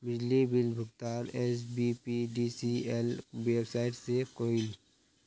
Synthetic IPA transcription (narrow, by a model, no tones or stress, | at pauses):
mɪd͡ʒlibɪlbʱʊɡt̪aːnɛːs̬bipiɖisiɛlweːbsaːɪʈsekoːɪl